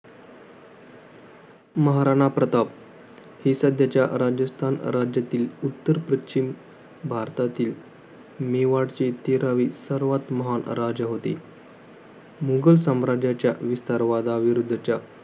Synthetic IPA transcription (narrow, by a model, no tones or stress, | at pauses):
məɦaɾaɽ̃apɾət̪ap | hesəd̪ʱjat͡ɕjaɾad͡ʑəst̪ʰanɾad͡ʑjat̪iːlut̪ːəɾpɾəɕim | bʱaɾt̪at̪iːl | meʋaɽt͡ɕet̪eɾaʋiːsəɾʋat̪məɦanɾad͡ʑɦot̪e | muɡəlsəmɾad͡ʑjat͡ɕjaʋist̪aɾʋad̪aʋiɾud̪ʱːt͡ɕja